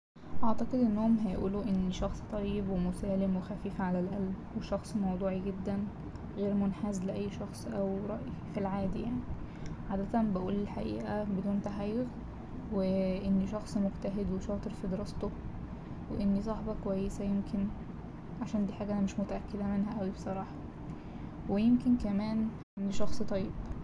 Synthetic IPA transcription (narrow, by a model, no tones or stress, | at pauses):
ʔɑʕt̪ɑqed̪ʔenːhomɦæjʔṵːluʔenːiʃɑxsˤt̪ˤɑjːebwemosæːlemwexæfiːfʕalælʔælbweʃɑxsˤmɑwd̪ˤuːʕiɡed̪ːæn | ɣeːɾmonħaːzleʔæjːʃɑxsˤʔæwɾˤɑʔifilʕaːd̪ijaʕni | ʕaːd̪æt̪ænbæʔuːlelħaʔḭːʔæbed̪uːnt̪aħajːoɣ | weʔenːiʃɑxsˤmoɡt̪æɦed̪weʃɑːt̪ˤeɾfid̪eɾɑst̪o | weʔenːisˤɑħbɑkowæjːesæjemkʰen | ʕaʃæːnd̪iːħaːɡæʔænæmeʃmot̪æʔækːed̪æmenɦæʔæwibesˤɑɾˤɑːħɑ̥ | wejemkenkæmæːnʔenːiʃɑxsˤt̪ˤɑjːeb̥